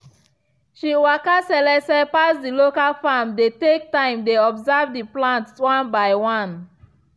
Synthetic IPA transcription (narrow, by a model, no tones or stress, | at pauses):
ʃiwakasɛlɛsɛpasdilokalfamdetek̚tãɪ̃mdeɔbzavdiplãntswãnbaɪwãn